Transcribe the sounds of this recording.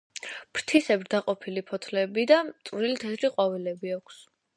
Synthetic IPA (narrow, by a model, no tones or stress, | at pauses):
pʰɾt̪ʰisɛbɾd̪aqʼɔpʰilipʰɔt̪ʰlɛbid̪at̪ʼvɾilit̪ʰɛt̪ɾiqʼɔvilɛbiakʷʰs